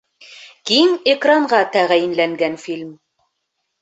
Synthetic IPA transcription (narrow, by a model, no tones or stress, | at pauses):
kimekraɴʁɑt̪æʁæjɘ̆nlæŋɡænfilʲm